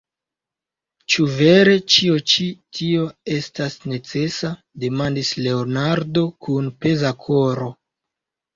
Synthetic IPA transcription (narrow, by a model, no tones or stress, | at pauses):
t͡ʃuve̞ɾe̞t͡ʃio̞t͡ʃitʰio̞e̞stasne̞t͡se̞sa | de̞mandisle̞onaɾdo̞kʰunpe̞zakʰoɾo̞